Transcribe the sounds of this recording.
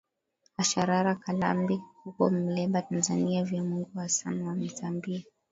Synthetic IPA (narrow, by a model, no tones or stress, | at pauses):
aʃaɾaɾakala̰mbihukɔ̰mm̩lɛɓatanzaniavjamuŋɡuhasanwamitambia